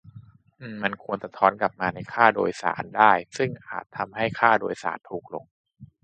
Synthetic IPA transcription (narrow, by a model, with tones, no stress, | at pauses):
ʔʔɯː˧˩ma˧nkʰu˧ənsa˧t̪ʰɔː˦˥nka˨˩p̚maː˧na˧jkʰaː˥˩do̰ː˧jsa̰ː˩˦ndaː˥˩jsɯ˥˩ŋʔa̰ː˨˩t̪ʰːa˧mɦa˥˩jkʰaː˥˩doː˧jsa̰ː˩˦nt̪ʰuː˨˩k̚lo̰˧ŋ